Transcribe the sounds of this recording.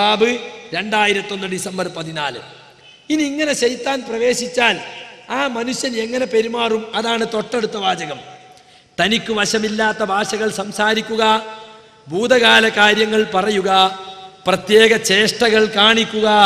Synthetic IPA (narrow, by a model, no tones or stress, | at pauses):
aːbɨɾe̞ɳɖaːjiɾɐt̪ːiːo̞nːɨɖisembɐrpɐðinaːlɨ | iniːŋːɐne̞ɕejt̪ːaːnprɐʋe̞ːɕit͡ɕːaːlaːmɐnuɕjɐne̞ŋːɐne̞pe̞ɾumaːrumɐðaːɳɨt̪o̞ʈːeɽut̪ːɐbʱaːd͡ʑɐɣɐm | t̪ɐnikʲːuʋɐɕɐmilːaːt̪ːɐbʱaːʂɐɣɐɭsɐmsaːɾikʲːuɣɐ | bʱuːd̪ɐɣaːlɐkaːɾjɐŋːɐɭpɐrɐjuɣɐprɐt̪je̞ːɣɐt͡ɕe̞ːʂʈɐɣɐɭkaːɳikʲːuɣɐ